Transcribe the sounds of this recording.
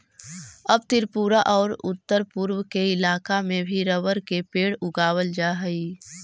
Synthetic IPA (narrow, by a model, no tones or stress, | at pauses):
əb̚t̪ɪɾpuːɾaʔɔːɾʊ̰t̪ːəɾpʊɾwkeɪlaːkamẽbʱiɾəʋəɾkepeːɽʊɡaːwəld͡ʒaɦəi